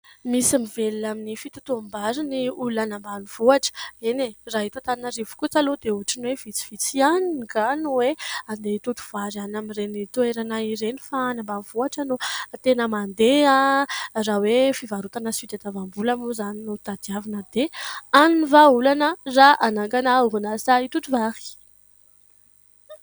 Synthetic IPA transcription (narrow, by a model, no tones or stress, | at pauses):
misimiveliaminifit̪u̥t̪uambaɾiniulanambaniv̥uaʈ͡ʂə̥eneraɦit̪at̪aninəɾivu̥kut͡salod̪euɦaʈ͡ʂinwev̥it͡si̥v̥it͡sianiɡanuweand̪et̪ut̪u̥v̥aɾanamirenit̪ueɾanaiɾenifaːnambav̥uaʈ͡ʂənut̪enəmand̪earawefivaɾut̪anəsit̪et̪avambulamuzaninut̪ad̪̥iavinəd̪̥eanunivaulanəraʔanaŋkanauɦunasait̪ut̪uvaɾi̥